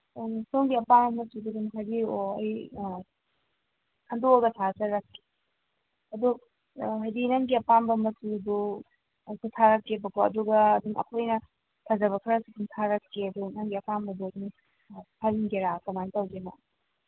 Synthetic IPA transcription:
ŋsoŋɡiɐpambɐmɐsuduɡunɦabioɐj | kʰɐndoɡɐtʰazɐɾɐkːi̥ | ɐduk | ɦajdinɐŋɡiɐpambɐmɐsudo | ɐjsʰutʰaɾɐkːebɐɡoɐ̰duɡɐːduŋɐ̰kʰojnɐ | tʰɐzɐβɐkʰɐɾɐsiɡuntʰaɾɐkʰːeɐdunɐŋɡiɐpambɐdodiŋ | pʰaɾinɡeɾakɐmantɐwɡema

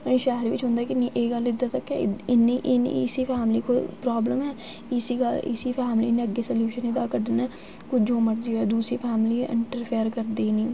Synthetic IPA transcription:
nĩʃaːɦɾʋɪt͡ʃɦʊ̃ːnd̪aːkiniʔeːɡalɪd̪at̪ɐkːɛɪniʔɪn̰sipʰɛːmlikopɾaːbləmɦɛː | ɪsiɡalɪ̰sipʰaːmlinːeɐɡːesəljuːʃənɪd̪aːkəɖne | kʊd͡ʒõːmɐɾd̪ioɛːd̪uːsɾipʰɛːmliɪ̰̃ɳʈəɾpʰijəɾkɐɾd̪eːnĩː

